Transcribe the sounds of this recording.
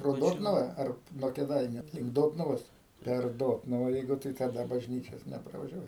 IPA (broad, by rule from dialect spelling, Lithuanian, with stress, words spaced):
proː ˈdoːtnʊʋɐ ˈɐr nuɔ kʲeːˈdɐɪnʲʊ lʲɪŋk ˈdoːtnʊʋoːs pʲɛr ˈdoːtnʊʋɐ ˈjɛɪɡʊ tɐɪ tɐˈdɐ bɐʒʲˈnʲiːt͡ʃʲoːs nʲɛprɐʋɐʒʲɛˈʋɐɪ